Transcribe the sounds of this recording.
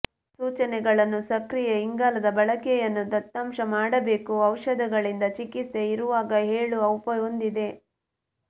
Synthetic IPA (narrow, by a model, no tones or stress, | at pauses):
suːt͡ʃɐnɛɡɐɭɐnːusɐkɾijeiŋɡaːlɐd̪ɐbɐɭɐkɛjɐnːud̪ɐt̪ːɐmʃɐmaːɽɐbe̞ːkuɐwʂɐd̪ɐɡɐɭind̪ɐt͡ʃikist̪eiɾuʋaːɡɐɦeːɭuɐwpɐond̪id̪e̞